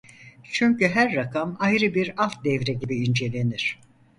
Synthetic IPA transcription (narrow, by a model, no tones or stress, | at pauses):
t͡ʃʰyɲcyɦæɾːakʰamajɾɯbiɾalˠt̪̚d̪ɛvɾɛɟibiind͡ʒe̞lʲe̞niɾ̥